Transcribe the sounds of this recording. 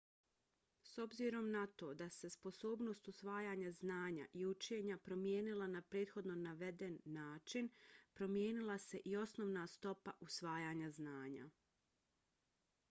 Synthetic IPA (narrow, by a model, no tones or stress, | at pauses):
so̞bziɾo̞mnat̪o̞ːd̪ase̞spo̞so̞ːbno̞ːst̪usʋaːjaːɲaznaːɲa̰ʔiut͡ʃe̞ːɲapɾo̞mje̞ːnilˠanapɾe̞ːt̪xo̞d̪no̞naʋe̞d̪e̞nːaːt͡ʃinpɾo̞mjeːnilˠase̞ʔio̞snoʋnast̪o̞paʔusʋaːjaːɲaznaːɲa̰